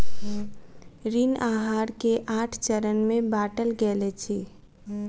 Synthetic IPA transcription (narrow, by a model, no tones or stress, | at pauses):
ɾinaːɦaːɾkeʔaːʈʰt͡ʃəɾənmẽbaːʈəlɡɛːlet͡ʃʰeː